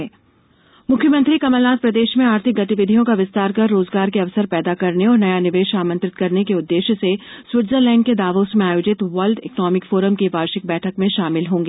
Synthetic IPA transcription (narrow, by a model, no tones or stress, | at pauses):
ɛː | mʊkʰːjəmə̃nt̪ɾikɐməlnaːt̪̚pɾɐd̪eːʃmẽaːɾt̪ʰɪk̚ɡɐt̪ɪʋɪd̪ʱijõkaʋɪst̪aːɾkɐɾːoːzɡaːɾkeɐʋsəɾpɛːd̪akɐɾneɔːɾnɐjanɪʋeːʃaːmə̃nt̪ɾɪt̪kɐɾnekeʊd̪ːeːʃseswɪʈzəɾlɛ̃ːɳɖked̪aːʋoːsmẽaːjoːd͡ʒɪt̪ʋɐlɖɪknɔːmɪkfoːɾəmkiʋaːɾʃɪk̚bɛːʈʰəkmẽʃaːmɪlɦõːŋɡeː